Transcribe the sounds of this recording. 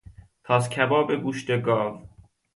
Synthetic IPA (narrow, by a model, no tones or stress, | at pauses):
t̪ʰɒːscʲʰæbɒːbeɡuːʃt̪eɡɒːv